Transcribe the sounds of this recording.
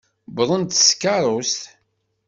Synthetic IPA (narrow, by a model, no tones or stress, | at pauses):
bðˤənt̪skːɑɾˤʊst̪